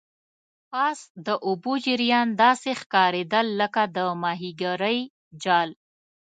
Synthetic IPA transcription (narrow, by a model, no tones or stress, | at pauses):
pɑsd̪əʔʊbod͡ʒɪɾjɑnd̪ɑsexkɑɾed̪əlːəkad̪əmɑɦiɡaɾəj | d͡ʒɑl